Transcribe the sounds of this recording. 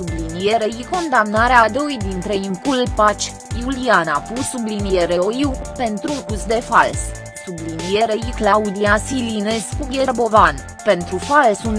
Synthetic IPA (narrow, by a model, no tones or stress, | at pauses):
sublinije̞ɾe̞jiko̞nd̪amnaɾead̪o̞jd̪int̪ɾe̞iŋkulpat͡ʃʲ | julianapusublinijeɾeojiwpe̞nt̪ɾukusd̪e̞fa̰ls | sublinieɾejiklaud̪iasilineskuɡʲerbo̞van | pe̞nt̪ɾufalsun